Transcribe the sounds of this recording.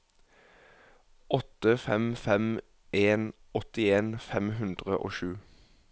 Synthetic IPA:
ʔɔt̪əfɛmfɛm | ʔeːn | ɔt̪ɪeːnfɛmɦʉnd̪ʁəʔo̰ːʃʉː

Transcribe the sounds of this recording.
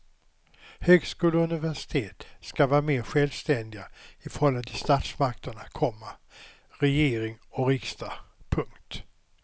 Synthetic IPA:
høːɡskuːlɵnɪvæʂɪ̥t̪ʰeːt̪skavɑːɾameːɾɧɛlvst̪ɛnd̪ɪɡaɪfœɾhɔlːant̪ʰɪlst̪at̪smak̚t̪əɳakʰɔmːa | ɾɛjeːɾɪŋɔɾɪkst̪apʰɵŋkt̪

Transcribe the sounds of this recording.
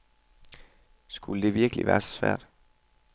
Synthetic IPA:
sɡ̥uləd̥e̝ʋiɐɡ̥əliʋæːɐsɒ̽sʋæ̰ɐ̰d̥

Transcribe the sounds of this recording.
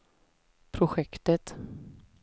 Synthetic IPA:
pʰɾʊɧɛkt̪ət̪

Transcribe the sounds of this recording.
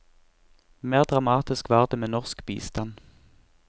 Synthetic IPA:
meːʁd̪ʁɑmɑːt̪ɪskʋɑːʁd̪eːmeːnɔʁskbḭːst̪ɑn

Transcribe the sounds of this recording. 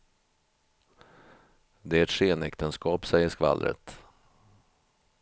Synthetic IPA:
d̪ɛæɛt̪ʂeːnɛkt̪ənskɑːpsɛjːəʂkva̰lːɾə̰t̪

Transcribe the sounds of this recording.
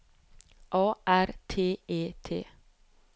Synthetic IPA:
ʔɑːʔæɾt̪ʰeːeːt̪ʰḛː

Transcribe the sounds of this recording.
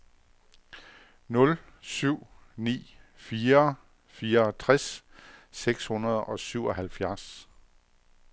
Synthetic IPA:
nɔ̽l | syʊ̰ | nḭːfiːɐ | fiːɐt͡sʰʁaɛsː | eɡ̥shunɐð̞ˠɒ̽syʊ̰ɒɦælfjæɐs

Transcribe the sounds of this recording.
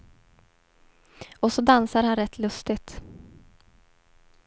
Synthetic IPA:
ɔsɔd̪ansaɾhanɾɛt̪ʰːlɵst̪ɪɡt̪

